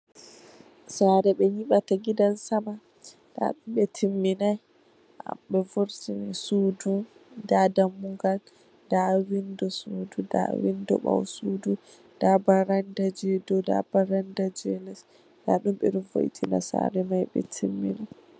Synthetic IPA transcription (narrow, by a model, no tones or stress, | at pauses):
saɾɛɓɛɲiɓataɡidansama | da̰ɗumɓɛtʰimːinaj | ʔa̰ɓɛvuɾtinɛsuːdudadamːuɡal | dawindɔsuːduda̰wḭndɔ̰ɓa̰wsudu | d̥abaɾandad͡ʒɛdɔda̰baɾandad͡ʒɛlɛs | da̰ɗumɓɛɾvo̰jitʰina̰sa̰ɾɛmajɓɛ̰tʰimːḭna